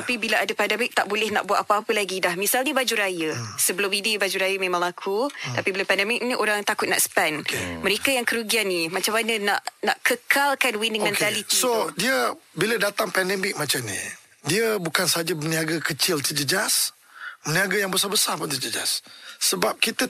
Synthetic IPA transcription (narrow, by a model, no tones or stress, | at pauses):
t̪apibilaʔadapandɛmɪk̚t̪aʔbolɛhna̰ʔbuat̪̚apaapəlaɡidahmisalɲəbad͡ʒuɾajəsəbəlʊmidibad͡ʒuɾajamemãŋlakʰut̪apibəlʊpɛndɛmɪk̚nĩʔoɾaŋt̪akʊt̪̚na̰ʔspanməɾekajaŋkəɾuɡianːimat͡ʃamanənaʔnaʔkəkalkanwiniŋmɛntalitsodiəbilədat̪aŋpɛndɛmɪk̚mat͡ʃamnḭ | diəbukansəɦad͡ʒəməniaɡakət͡ʃɪlt̪əd͡ʒəd͡ʒas | məniaɡajaŋbəsabəsarpʊnt̪əd͡ʒəd͡ʒa̰sːəbap̚kit̪ə